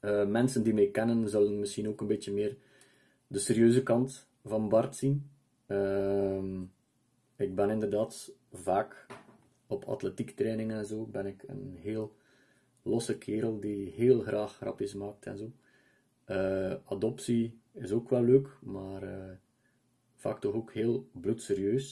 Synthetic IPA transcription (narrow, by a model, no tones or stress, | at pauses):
əːmɛnsəndimɛjkɛnənzɵlənmɪsxinoːkənbeːtəmɪːr | dəseːɾjøːzəkɑnt | v̥ɑnbɑrtsin | əm | ɪɡ̚bɛnɪndərdaːtvaːk | ɔpʰɑ̰tletiktrɛːnɪŋɛnzoːbɛnɪkə̰nɦeːlˠ | lɔsəkʰeːɾəlˠdiɦeːlˠɣrʔaːxrɑ̰pɪsmaːk̚tɛ̰nzoː | əɑdɔpsiɪzoːkʋɛlːøːkmaːrə | v̥a̰ːk̚tɔxoːkheːlˠblutseːɾjøːs